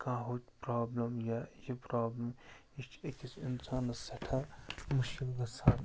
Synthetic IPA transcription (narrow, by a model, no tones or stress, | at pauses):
kãːɦoːt͡ʃpɾaːblɐmjajipɾaːblɐm | it͡ʃʰekʲisinsaːnɐsɐʈʰamʊʃkilɡɐsaːn